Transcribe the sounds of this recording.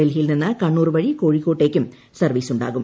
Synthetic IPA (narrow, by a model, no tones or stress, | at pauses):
elɦijilninːɨkɐɳːuːrʋɐɻiko̞ːɻikːo̞ːʈːe̞ːkʲːum | sɐrʋiːsuɳɖa̰ːɣum